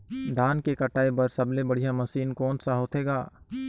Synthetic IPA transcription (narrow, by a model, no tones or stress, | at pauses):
d̪ʱaːnkekɐʈaːebɐɾsɐblebɐɽ̤ijamɐsiːnkɔːnsaɦoːt̪ʰeːɡaː